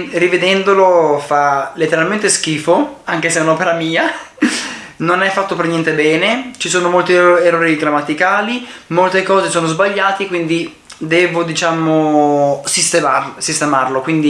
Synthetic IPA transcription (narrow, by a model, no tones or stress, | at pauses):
rived̪ɛnd̪olofalet̪ːeɾalment̪esk̟iːfoaŋk̟eseunɔpeɾamiːa | nonɛfːat̪ːopernjɛnt̪ebɛːnet͡ʃisoːnomolt̪ieroːɾiɡɾamːat̪ikaːlimolt̪ekɔːzesoːnozbaʎːaːt̪ekwind̪i | d̪ɛːvod̪it͡ʃaːmosist̪emarsist̪emarlokwind̪i